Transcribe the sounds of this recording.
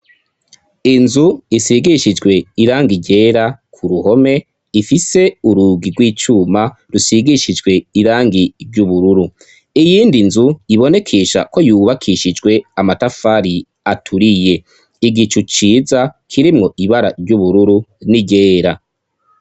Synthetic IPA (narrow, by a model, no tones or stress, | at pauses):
inzuisiɡiʃid͡ʒɡwe̞iɾaːŋɡiɟe̞ːɾakʰuɾuho̞me̞ | ifise̞uɾuːɡiɡwiːt͡ʃuːma | ɾusiɡiʃid͡ʒɡwe̞iɾaːŋɡiɾɟuβuɾuɾu | ijiːndinzuiβo̞ne̞kʰeʃa̰ko̞juːβakʰiʃid͡ʒɡwe̞amatafaɾi | atʰuɾije̞ | iɡit͡ʃut͡ʃiːzakʰiɾimŋo̞ʔiβaɾa̰ɾɟuβuɾuɾuniɟe̞ːɾa